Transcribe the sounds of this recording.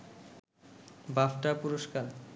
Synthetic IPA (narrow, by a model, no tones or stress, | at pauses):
bafʈapuɾoʃkaɾ